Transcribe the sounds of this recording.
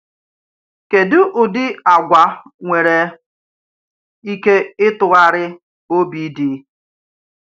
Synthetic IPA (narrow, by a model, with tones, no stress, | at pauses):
ke˨dʊ˦ʔʊ˨dɪ˦a˨ɡʷa˨ŋʷe˨ɾe˨ | i˦ke˦ɪ˦tʊ˨ɣa˦ɾɪ˦ | o˦bi˨˦dɪ˨˦